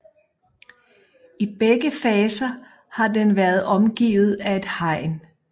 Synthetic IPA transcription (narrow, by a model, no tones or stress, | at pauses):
ib̥eɡ̥əfɛːsɐ | hɑ̈denʋæɐð̞̩ˠɒ̽mɡ̥ḭːʊð̞̩ˠæe̝d̥hɑ̈ɪ̰n